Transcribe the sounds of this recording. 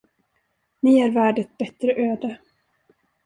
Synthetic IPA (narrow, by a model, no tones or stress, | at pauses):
nɪæɾvæːɖət̪̚bɛt̪ɾəʔøːd̪ə